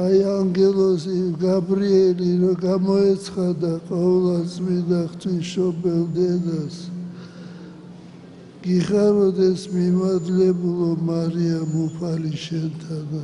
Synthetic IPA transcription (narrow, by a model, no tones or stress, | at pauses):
ajaŋɡɛlˠɔsiɡabɾiɛliɾɔɡamɔɛt̪sʰχad̪aqʼɔɛlˠasʼmind̪aχt̪ʰwisʃɔbɛld̪ɛd̪as | ɡ̥iχaɾɔd̪ɛsmimad̪lɛbulɔmaɾiamupʰaliʃɛnt̪ʰana